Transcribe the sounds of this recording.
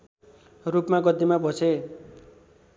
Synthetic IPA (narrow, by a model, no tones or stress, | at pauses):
rupmaɡʌd̪imabʱʌsʰe